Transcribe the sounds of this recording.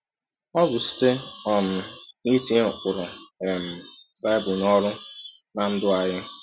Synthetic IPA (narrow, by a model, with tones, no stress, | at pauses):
ɔ˦ɡʊ˨si̥˦te˦ɔ˨m̩˨mi˦ti˦˨kʷʊ˨ɾʊ˨e˨m̩˨ba˦ɪ˦bʊ˨nɔ˦ɾʊ˦na˨n̩˦dʊ˦a˨ɦɪ˦